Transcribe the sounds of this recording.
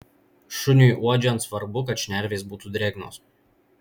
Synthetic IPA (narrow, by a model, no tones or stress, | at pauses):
ʃʊnʲuˑjʔuɔd͡ʒʲɛnsʋɐɾbʊkɐt̪ʃʲnʲæɾʲʋʲeːsbuːt̪uːd̪ʲɾʲeːɡno̰ːs